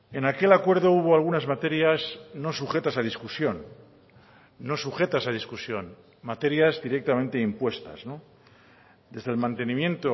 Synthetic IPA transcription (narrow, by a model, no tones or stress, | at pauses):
e̞nake̞lakwe̞ɾðo̞uβ̞o̞alɣ̞unazmat̪e̞ɾjazno̞suxe̞t̪asað̞iskusjo̞n | o̞suxe̞t̪asað̞iskusjo̞n | mat̪e̞ɾjazðiɾe̞k̚t̪amẽnt̪e̞impwe̞st̪a̰zno̞ | d̪e̞zðelmãnt̪e̞nĩmjẽ̞nt̪o